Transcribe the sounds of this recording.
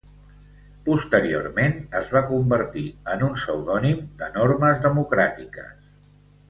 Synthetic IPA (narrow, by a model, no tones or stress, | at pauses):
pust̪əɾio̰ɾmenəzβakumbəɾt̪iənunsəwðɔnimd̪ənoɾməzðəmukɾat̪ikə̰s